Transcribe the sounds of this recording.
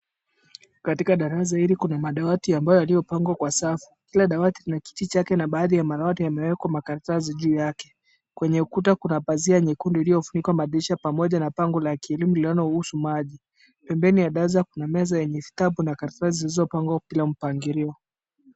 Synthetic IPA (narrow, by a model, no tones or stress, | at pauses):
katikaɗaɾas̬aiɾikunamaɗawatiambajɔjalijɔpaŋɡwakwasafi̥kilaɗawatiɾinaki̥tit͡ʃakɛnaɓaːðijamaɗawatijamɛwɛkwamakaɾataziʄuːjakɛ̥ | kwɛɲɛukutakunapaziaɲikundilijɔfunikwamaɗiʃapamɔʄanapaŋɡɔlakiɛlimulilanɔuhusumaʄi | pɛmbɛnijaɗazakunamɛzajɛɲɛfi̥taɓunakaɾataizilizɔpaŋɡwapilam̩paŋɡiɾiɔ